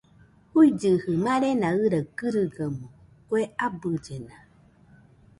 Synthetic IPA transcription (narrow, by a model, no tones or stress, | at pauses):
huid͡ʒɨhɯmãɾenãɨɾəɡɨɾɨɡəmõ | kʷeabɨd͡ʒena